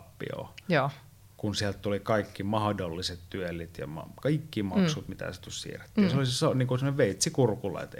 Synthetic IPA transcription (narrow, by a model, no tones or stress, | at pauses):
pːḭo̰ | kunsiælt̪t̪ulikɑikːimɑhdolːiset̪t̪yelːˑit̪jɑ̰mɑ̰kɑikːimɑksut̪mit̪æ̰set̪usʲsḭːre̥t̪ːiːnseolisesoniːŋkosemːoneʋʋeˑit̪sikurkulɑ̰ˑit̪